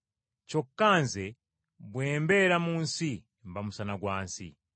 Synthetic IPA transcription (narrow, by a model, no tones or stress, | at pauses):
t͡ʃokːanzɛ | bweːmbɛɾamuːnsi | mbamusanaɡwaːnsḭ